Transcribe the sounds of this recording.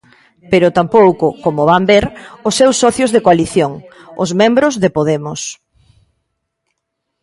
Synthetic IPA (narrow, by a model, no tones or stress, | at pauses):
peɾʊt̪ampowkʊkomoβambeɾʊsːewsːɔθjʊzðekoaliθjoŋ | ʊ̰zmẽmbɾʊzðepoðemʊs